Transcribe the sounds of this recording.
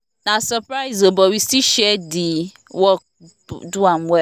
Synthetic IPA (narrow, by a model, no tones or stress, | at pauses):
nãsəpɾaɪzobɔwistiʃɛdi | wɔ̰ | duamwɛ